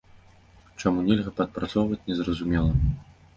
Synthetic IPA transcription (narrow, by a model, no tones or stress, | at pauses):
t͡ʂamunʲɛlʲɣɐpɐt̪̚pɾat̪sɔwvɐt͡sʲnʲɛzɾɐzumʲɛlˠɐ